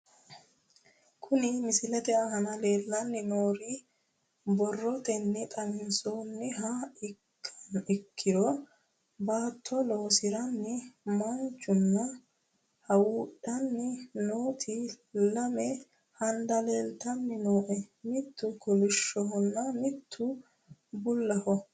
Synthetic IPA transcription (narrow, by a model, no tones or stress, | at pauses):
kʰʊnɪmɪsɪlɛt̪ɛɐɦɐnɐle̞ːlːɐnːɪnoːɾi | bɔrːɔt̪ɛnːɛt̪ʼɐmɪnsoːnːɪɦaɪkʰːɐ̥nɪkʰːɪɾɔ | baːt̪ʰːɔlo̞ːsɪɾɐnːɪmɐnt͡ʃːʊnːɐ | hɐwuːᶑɐnːɪnoːt̪ʰɪ | lɐmɛ | hɐnd̪ɐleːlt̪ɐnːɪno̞ːʔɛmɪt̪ːʊkɔlɪʃːɔɦɔnːɐmɪt̪ʰːʊ | bʊlːɐhɔ